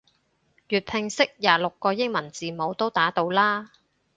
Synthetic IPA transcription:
jyː˨t̚pʰɪ˨ŋsɪ˥k̚jaː˨˩lʊ˨kːɔː˧jɪ˥ŋmɐ˨˩nt͡siː˨mo˨˧wt̪o˥wt̪aː˨˥t̪o˧wlaː˥

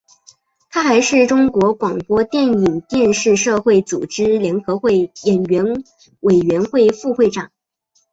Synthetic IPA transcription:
t̪ʰa˥xa˧˥ɪʂɻ̩˥˩ʈ͡ʂʊ˥ŋkwɔ˧˥kwɑ˨˩ŋpwɔ˥t̪jɛ˥˩ni˨˩ŋt̪jɛ˥˧nʂɻ̩˥˧ʂɤ˥˧xwe˥˩ɪt͡su˨˩ʈ͡ʂɻ̩˥ljɛ˧˥nxɤ˧˥xwe˥˩ɪjɛ˨˩nɥɛ˧˥n | we˨˩ɪɥɛ˧˥nxwe˥˧ɪfu˥˧xwe˥˩ɪʈ͡ʂɑ˨˩˦ŋ

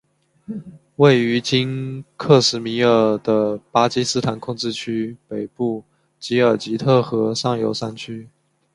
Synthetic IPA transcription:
we˥˩ɪy˧˥t͡ɕi˥nkʰɤ˥˩ʂɻ̩˧˥mi˧˥ŋə˞˨˩d̪ə˨pa˥t͡ɕi˥sɹ̩˥t̪ʰa˧˥nkʰʊ˥˧ŋʈ͡ʂɻ̩˥˧t͡ɕʰy˥pe˨˩ɪpu˥˩ | t͡ɕi˧˥ə˞˨˩t͡ɕi˧˥t̪ʰɤ˥˩xɤ˧˥sɑ˥˩ŋjo˧˥ʊsa˥nt͡ɕʰy˥

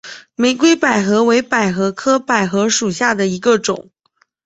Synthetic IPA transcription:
me˧˥ɪk̬we˥ɪpa˨˩ɪxɤ˧˥we˧˥ɪpa˨˩ɪxɤ˧˥kʰɤ˥pa˨˩ɪxɤ˧˥ʂu˨˩ɕja˥˩d̪ə˩i˧˥ɡə˧ʈ͡ʂʊ̰˨˩˦ŋ

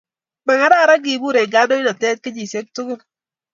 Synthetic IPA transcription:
ba˨ŋa˦da˦˨ɾa˦ɡi˨bu˦ɾe˨ɡa˦do˦i˦dɔ˨tɛ˦t̚ke˦d͡ʒi˨se˦ktu˦ɡu˦n

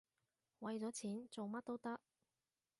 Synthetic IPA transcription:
wɐ˨jt͡sɔː˨˥t͡sʰiː˨˥nt͡so˨wmɐ˥t̚t̪o˥wt̪ɐ˥k̚

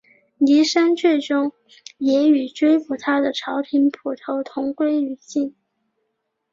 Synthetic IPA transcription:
ni˧˥ʂa˥nt͡ɕʰɥɛ˥˩ʈ͡ʂʊ˥ŋ | jɛ˧˥y˨˩ʈ͡ʂwe˥ɪfu˨˩t̪ʰa˥d̪ə˨ʈ͡ʂʰɑ˧˥ʊt̪ʰi˧˥npʰu˨˩t̪ʰo˧˥ʊt̪ʰʊ˧˥ŋkwe˥ɪy˨˩ɕi˥˩n

